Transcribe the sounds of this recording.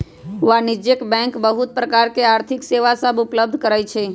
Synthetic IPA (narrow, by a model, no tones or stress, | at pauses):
ʋanɪd͡ʒjəkbɛ̃ŋkbəɦʊt̪̚pɾəkaɾkeaːɾt̪ʰɪkseʋasəbʊpləb̚d̪ʱkəɾajt͡ʃʰe